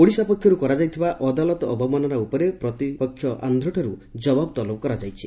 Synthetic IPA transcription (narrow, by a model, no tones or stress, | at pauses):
oɽisapɔkʰjɔɾukɔɾad͡ʒajt̪ʰibaʔɔd̪alɔt̪ɔɔbʱɔmanɔɾaupɔɾepɾɔt̪ipɔkʰːjɔʔa̰nd̪ʱɾɔʈʰɔɾud͡ʒɔbabɔt̪ɔlɔpɔkɔɾad͡ʒajt͡ʃʰi